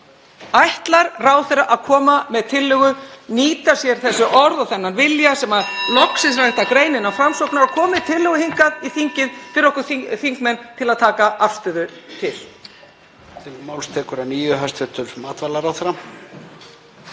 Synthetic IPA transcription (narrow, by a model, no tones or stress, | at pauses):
ajht̪laɾraːwθɛɾaʔaðkʰɔːmamɛðt̪ʰɪlːʏɣʏniːt̪ḁsjɛɾ̥θɛsːʏʔɔɾðaθɛnːanvɪljasɛmalɔksɪs̬aɛht̪akɾeːjnɪnːawfɾamsɔwknaɾakʰɔːmɪt̪ʰɪlːʏɣʏhiŋkaðiθiɲcɪðt̪ʰɪɾɔwkʏθθiŋkmɛnt̪ʰɪlaðt̪ʰaːkaʔaft̪ʏðʏt̪ʰɪl̥ | t̪ɪmaːwlst̪ʰɛːkʏɾaniːjʏɦast̪ɾɪt̪ʏɾ̥maːt̪valaɾaθɾam